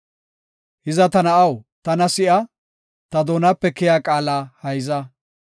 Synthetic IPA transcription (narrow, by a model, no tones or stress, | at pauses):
hɪzɐt̪ɐnɐʔɐwt̪ɐnɐsɪʔɐ | t̪ɐd̪oːnɐpːɛkɪjaːkʼaːlaːhɐjzɐ